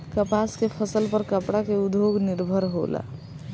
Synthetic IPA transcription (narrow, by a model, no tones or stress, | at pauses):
kəpaskepʰəsəlpəɾkəpɽakeud̪ʱjoɡniɾbʱəɾɦo̰la̰